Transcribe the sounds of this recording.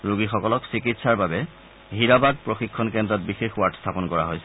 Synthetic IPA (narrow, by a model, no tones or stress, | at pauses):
ɹuɡixɔkɔlɔksikitsaɹbabɛ | ɦiɹabad̚pɹoxikʰːɔnkɛndɹɔt̚bixexwaɹtstʰapɔnkɔɹaɦojsɛ̥